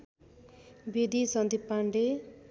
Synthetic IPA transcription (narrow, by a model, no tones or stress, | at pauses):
bid̪isʌnd̪ipːaɳɖe